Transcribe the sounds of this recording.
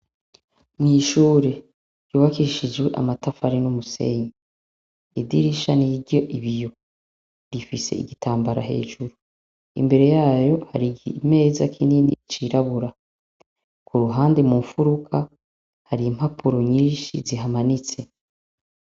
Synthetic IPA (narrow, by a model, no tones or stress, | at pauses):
mŋiːʃuːɾe̞ | juːβakiʃizwe̞ʔa̰matafaɾinumuse̞̰ɲe | idiɾiʃaniɾɟo̞ʔiβijo | ɾifise̞ḭɡitʰaːmbaɾa̰ɦe̞̰ːʒuɾu | ḭmbe̞ɾe̞jaːjo̞haɾiɡime̞ːzakʰininḭt͡ʃiɾaβuɾa | kuɾuɦaːnde̞muɱfuɾukʰa | haɾiim̥hapʰuɾoɲiːʃiziɦamanit͡se̞